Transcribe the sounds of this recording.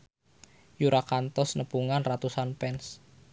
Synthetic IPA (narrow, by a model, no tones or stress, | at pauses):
juɾʔakant̪ɔsnəpuŋanrat̪usanpɛns